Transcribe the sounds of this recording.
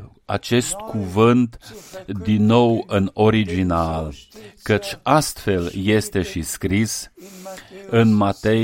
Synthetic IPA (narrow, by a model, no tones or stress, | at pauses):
a̰t͡ʃe̞st̪kuvɨnt̪d̪inːo̞wɨno̞ɾid͡ʒinalkət͡ʃʲast̪fe̞lje̞st̪e̞ʃiskɾis | ɨnmat̪e̞